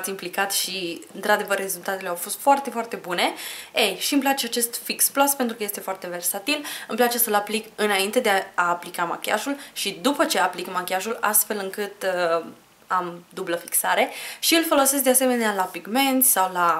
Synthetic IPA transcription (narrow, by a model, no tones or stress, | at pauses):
t̪sʲimplikat̪ʃiɨnt̪ɾad̪e̞vərːe̞zult̪at̪e̞leawfo̞st̪foart̪e̞foart̪e̞bune̞ejʃiɨmplat͡ʃeat͡ʃe̞st̪fiksplaspe̞nt̪ɾukəje̞st̪e̞foart̪e̞ve̞rsat̪ilɨmplat͡ʃe̞səlaplikɨnaint̪e̞d̪eaaːplikama̰kʲa̰ʒulʃid̪upət͡ʃe̞aplikmakʲaʒula̰st̪fe̞lɨŋkɨt̪ | amd̪ubləfi̥ksaɾe̞ʃiɨlfo̞lo̞ses̬k̚d̪e̞ase̞me̞nealapiɡme̞nt̪sʲsawla